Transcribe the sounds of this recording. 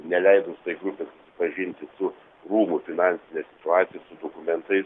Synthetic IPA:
nʲɛlʲɛɪd̪oːst̪ɐɪɡɾupʲeːsʊsʲɪ̥pɐʒʲɪnʲt̪ʲɪsʊ | ruːmʊfʲɪnɑnʲsʲɪnʲɛːsʲɪ̥t̪ʊɑːt̪sʲɪjɛsʊd̪okʊmʲɛnt̪ɐɪs

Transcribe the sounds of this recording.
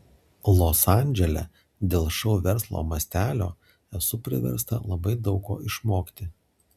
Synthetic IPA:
lˠoːsɑˑnʲd͡ʒʲɛlʲɛ̰ | d̪ʲeːlˠʃɐʊʋʲɛɾslˠo̰ːmɐsʲt̪ʲæːlʲo̰ː | ɛsʊpʲɾʲɪ̰ʋʲɛ̰ɾst̪ɐ̰lˠɐbɐɪd̪ɒʊko̰ːʔɪʃmoːkʲt̪ʲɪ

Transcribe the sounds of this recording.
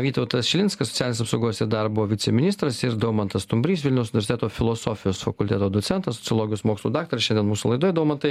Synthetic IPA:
ʋʲiːt̪ɐʊt̪ɐsʃʲɪlʲɪnskɐsɔ̥tt͡sʲælʲnʲeːsɐpsɐʊɡoːsɪd̪ɐɾbʊoːʋʲɪt̪sʲɛmʲɪnʲɪst̪ɾɐsɪɾd̪oʊmɐnt̪ɐst̪ʊmʲbʲɾʲiːs̬ʋʲɪlʲnʲɛʊs̬ʊnʲɪʋʲɾsɪtʲɛt̪oːfʲɪlˠoːsoːfʲɪjoːsfɐkʊlʲt̪ʲeːt̪oːd̪ʊt̪sʲɛnt̪ɐsɔ̥tsʲɪlˠoːɡʲɪjoːsmoːkslˠuːd̪ɑːk̚t̪oɾʲʃʲɛnd̪ʲiɛnmuːsulˠɐɪd̪oːjd̪oʊmɐnt̪ɐɪ

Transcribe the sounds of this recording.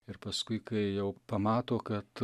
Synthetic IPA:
ɪɾpɐskʊɪkɐɪjɛʊpɐmɑːt̪oːkɐt̪

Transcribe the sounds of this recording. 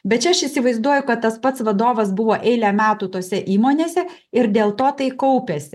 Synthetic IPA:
bʲɛt̪̚t͡ʃʲɛɐʃɪsʲɪʋɐɪzd̪uɔjʊkɐt̪t̪ːɐspɐt̪sʋɐd̪oːʋɐsbʊʋoːʔɛɪlʲæːmʲæːt̪uːt̪oːsʲɛʔiːmoːnʲeːsʲɛ | ɪɾd̪ʲeːlˠt̪oːt̪ɐɪkɐʊpʲesʲɪ

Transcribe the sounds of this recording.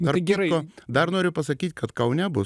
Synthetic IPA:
ɐɾɡʲoːd̪ɐɾnoːɾʲʊpɐsɐkʲiːt̪ʲkɐt̪kɐʊnʲɛbʊ

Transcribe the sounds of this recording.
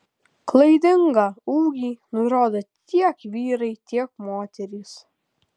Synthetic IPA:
klˠɐɪd̪ʲɪŋɡɑuːɡʲiːnʊɾoːd̪ot̪ʲiɛkʋʲiːɾɐɪt̪ʲiɛk̚moːt̪ʲɛɾʲiːs

